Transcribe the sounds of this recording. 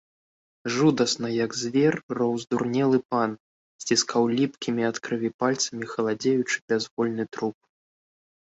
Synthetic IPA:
ʐud̪ɐsnɐjɐɡzʲvʲɛrːɔwzd̪urnʲɛlˠɨpan | sʲt͡sʲiskʰawlʲipkʲimʲiɐt̪kɾɨvʲipalʲt̪sɐmʲixɐlˠad͡zʲejut͡ʂɨ̥bʲazvɔlʲnɨt̪ɾup̚

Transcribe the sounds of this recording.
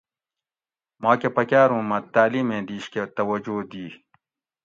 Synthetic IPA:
maːkepɐkaːɾũːmɐtt̪ːaːliːmẽːd̪iːɕket̪ɐwɐd͡ʑoːd̪iː

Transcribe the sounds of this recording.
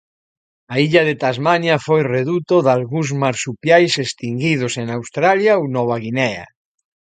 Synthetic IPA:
aiʎaðet̪azmanjafojreðut̪oðalɣuzmaɾsupjajsest̪iŋɡið̞osenawst̪ɾaljawnɔβ̞aɣinɛa̰

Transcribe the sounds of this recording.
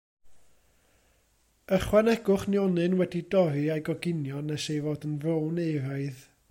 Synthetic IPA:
əχwanɛɡʊχnjɔnɨnwɛdidɔɾɨajɡɔɡɪnjɔnɛʃejvɔːdənvrownejɾaɨð

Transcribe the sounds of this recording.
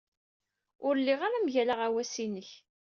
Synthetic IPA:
ʊɾəlːiʁaɾamʝælaʁawæsinəç

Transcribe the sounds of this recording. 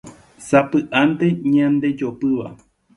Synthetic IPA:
sapɨʔant̪e̞ɲãnd̪e̞d͡ʒo̞pɨʋa̰

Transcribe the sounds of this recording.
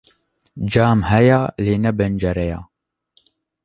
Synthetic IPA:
d͡ʒaːmhɛjaːleːnɛbɛnd͡ʒɛɾɛja̰ː

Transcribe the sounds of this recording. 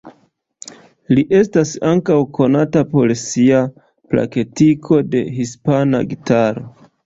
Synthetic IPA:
liʔe̞stasaŋkawko̞natapo̞lsia | pla̰ke̞tikʰo̞de̞̰hispana̰ɡitaɾo̞

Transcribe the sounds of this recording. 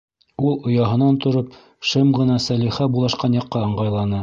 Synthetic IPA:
ulˠŏjɑɦɤ̆nɑnt̪ŏɾop | ʃɤmʁɤ̆nɑsæliχæbulˠɑʃqɑnjɑqːɑɤ̆ɴʁɑjlˠɑnɤ

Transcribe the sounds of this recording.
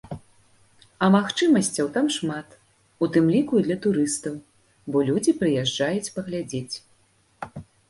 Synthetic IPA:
ɐmaxt͡ʂɨmɐsʲt͡sʲɐwt̪amʂmat̪ | ut̪ɨmlʲikuid̪lʲɐt̪uɾɨst̪ɐw | bɔlʲud͡zʲipɾɨjɛʐd͡ʐajut͡sʲpɐɣlʲad͡zʲet͡sʲ

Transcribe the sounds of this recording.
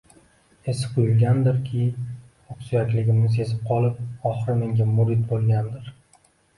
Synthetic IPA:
e̞sɪ̥qʰʊjʊlɡʲand̪ɪɾkʲʰɪ | oksujakʲlɪɡʲɪmnɪs̬e̞zɪp̚qʰɒlˠɪp̚ɒχɨɾɪme̞ŋɡʲamʊɾɪd̪̚bolˠɡʲand̪ɪɾ

